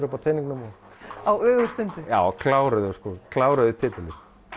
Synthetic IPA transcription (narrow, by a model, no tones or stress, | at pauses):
ɾʏpawt̪ʰeːniŋknʏmɔ | awœːɣʏst̪ɪnt̪ɪjaːwkʰlaːwɾʏðʏskɔkʰlaːwɾœðʏt̪ʰɪːt̪ɪlɪɾ